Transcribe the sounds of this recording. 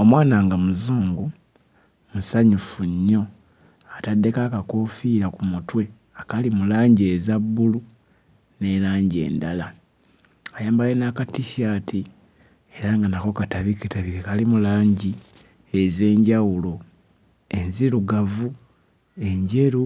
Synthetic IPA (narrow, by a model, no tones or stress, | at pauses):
o̞mwaːnaŋɡamuzuːŋɡu | musaɲufuɲːo̞ | atadːe̞kakakoːfiːɾakumutwe̞ | akalimulaːɲɟie̞zabːulu | ne̞ɾaːɲɟie̞̰ːndala | ajaːmbajenakatːiʃaːtʰi | eɾaŋɡanako̞kataβiketaβikekalimulaːɲɟi | eze̞ːɲɟawulo̞ | e̞nziɾuɡavu | e̞ɲɟe̞ɾu